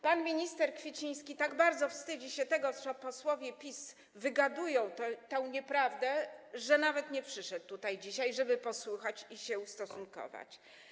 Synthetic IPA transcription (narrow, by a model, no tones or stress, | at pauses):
panmʲiɲist̪ɛɾkfʲjet͡ɕij̃skʲit̪aɡbaɾd̪zɔfst̪ɘd͡ʑiɕɛt̪ɛɡɔsɔpɔswɔvʲjɛpʲis | vɘɡad̪ujɔ̃w̃t̪ɛt̪ɛ̃w̃ɲɛpɾavd̪ɛʐɛnavɛt̪ɲɛpʂɘʂɛt̪ːut̪ajd͡ʑiɕajʐɛbɘpɔswuxat͡ɕiɕɛust̪ɔsunkɔ̰va̰t͡ɕ